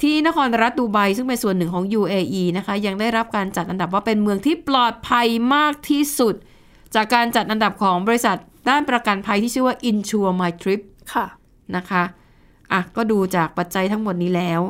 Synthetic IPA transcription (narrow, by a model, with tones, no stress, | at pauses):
t̪ʰiː˥˩na˦˥kʰɔː˧nɾa˦˥t̪̚duː˧ba˧jsɯ˥˩ŋpe˧nsu˨˩ənːɯ˨˩ŋkʰɔː˩˦ŋjuː˧ʔeː˧ʔiː˧na˦˥kʰa˦˥ja˧ŋdaː˥˩jɾa˦˥p̚kaː˧nt͡ɕa˨˩t̪̚ʔa˧nda˨˩p̬̚waː˥˩pe˧nmɯ˧əŋt̪ʰiː˥˩plɔː˨˩t̪̚pʰa˧jmaː˥˩k̚t̪ʰiː˥˩su˨˩t̪̚ | t͡ɕaː˨˩kːaː˧nt͡ɕa˨˩t̪̚ʔa˧nda˨˩p̚kʰɔː˩˦ŋbɔː˧ɾi˦˥sa˨˩t̪̚daː˥˩npɾa˧ka˧npʰa˧jt̪ʰiː˥˩ɯ˥˩waː˥˩ʔi˧nt͡ɕʰuː˧maː˧jt̪ʰɾi˦˥p̚kʰ | na˦˥kʰa˦˥ʔ | ʔa˨˩kɔː˥˩duː˧t͡ɕaː˨˩k̚pa˨˩t̪̚t͡ɕa˧jt̪ʰa˦˥ŋmo˨˩t̪̚niː˦˥lɛː˦˥w